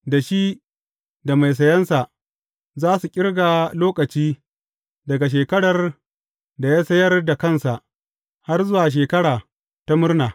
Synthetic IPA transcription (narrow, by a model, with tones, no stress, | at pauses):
da˨ʃi˦ | da˨ma˨js̬ɐ˨jɐ˦nsa˨ʔ | zaː˦su˨kʲʼɪ˦ɽɡaː˨loː˦kɐ˨t͡ʃiː˦ | dɐ˨ɡa˨ʃ̬eː˨kɐ˦ɽɐ˨r | da˨jaː˦sɐ˦jɐ˦rda˨kɐ˦nsa˨ʔ | ha˦rzʊ˦waː˨ʃ̬eː˨kɐ˦ɽaː˨ | ta˦mʊ˦rnaː˨